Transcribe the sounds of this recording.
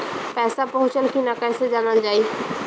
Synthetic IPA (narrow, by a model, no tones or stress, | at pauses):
pɛːsapɐɦʊ̃t͡ʃənkinakɛːsed͡ʒaːnəld͡ʒaːiː